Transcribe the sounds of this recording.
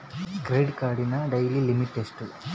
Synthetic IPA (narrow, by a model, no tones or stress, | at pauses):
ɡɾejɖkaːɾɖinɐɖɐjlilimiʈːesʈu